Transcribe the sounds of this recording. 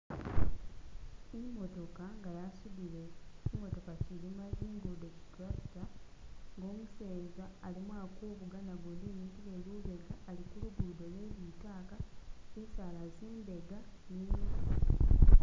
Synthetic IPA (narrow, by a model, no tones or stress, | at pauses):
imo̞to̞kaŋɡajasudile̞cimo̞to̞kacilimaziːŋɡudeci̥klasi̥taŋɡo̞ːmuseːnzaːlimwaːkuːβuɡanaɡoːndinitileluβeɡaːlikuluɡudolweβitaːkaisalaziːnbe̞ɡani